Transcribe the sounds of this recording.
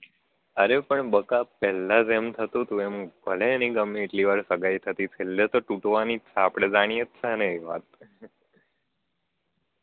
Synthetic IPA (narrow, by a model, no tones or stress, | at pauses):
əɾepəɳbəkapɛlad͡ʒemt̪ʰət̪ũt̪ũembʱəleniɡəmːiːʈliʋaɾsəɡajt̪ʰət̪it͡ʃʰelːet̪oʈuʈʋanisaapɽ̃ed͡ʒaɽ̃iet̪t͡ʃʰɛəneeʋa̰t̪̚